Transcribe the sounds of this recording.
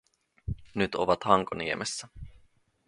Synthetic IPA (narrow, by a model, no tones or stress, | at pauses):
nyt̪o̰ʋɑt̪hɑŋkoniemʔesːæ